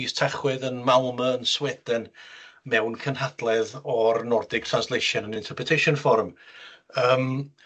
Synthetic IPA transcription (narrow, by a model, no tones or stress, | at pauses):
istʰaχwɛðənmalˠməənswɛdɛnmɛwnkʰənɦad̥lˠɛðɔrnɔrdɪɡ̚tʰr̥anslˠeʃənənɪ̃ntʰərpʰrətʰejʃɔnfɔrm | əːm